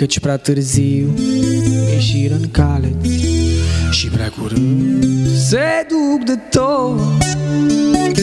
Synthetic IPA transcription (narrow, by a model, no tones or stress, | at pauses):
ɐt̪ʃpɾat̪ɨɾziu | ɛʃiɾɐnkalɐt̪ | ʃipɾakuɾ | sed̪ukd̪ɨt̪o